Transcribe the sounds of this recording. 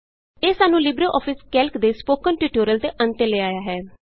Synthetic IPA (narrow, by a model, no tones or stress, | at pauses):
eːsaːnũːlɪbɾoːʔɔːpʰɪskɛlkd̪eːspoːkənʈuːʈoːɾəlt̪eːʔənt̪eːleːaːjaːɦɛː